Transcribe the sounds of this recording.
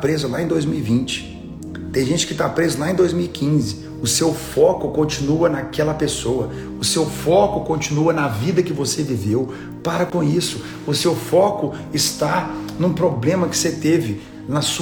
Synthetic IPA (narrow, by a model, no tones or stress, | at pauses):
pɾezʊlaẽd̪ojzmiwivĩnt͡ʃɪ̥ | t̪ẽj̃ʒẽnt͡ʃɪ̥kɪt̪apɾezʊlaẽd̪ojzmiwikʰĩzɪ | ʊsewfɔkʊkõnt͡ʃĩnuɐnɐkɛlɐpesowɐ | ʊsewfɔkʊkõnt͡ʃĩnuɐnɐvid̪ɐkɪvosevivew | paɾɐkõisʊ | ʊsewfɔkʊ | ɪst̪anũpɾoblẽmɐkɪ̥set̪evɪ | nɐs